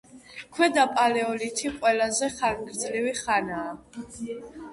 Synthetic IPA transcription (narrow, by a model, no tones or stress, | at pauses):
kʰwɛd̪apʼalɛɔlit̪ʰiqʼwɛlazɛχalɡɾd̪zliviχanaː